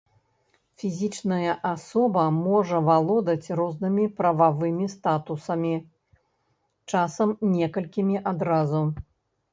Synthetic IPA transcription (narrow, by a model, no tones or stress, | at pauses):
fʲizʲit͡ʂnɐjɐʔasɔbɐmɔʐɐvalˠɔd̪ɐt͡sʲrɔznɨmʲipɾɐvavɨmʲist̪at̪usɐmʲi | t͡ʂasɐmnʲɛkɐlʲkʲimʲiʔad̪ɾazu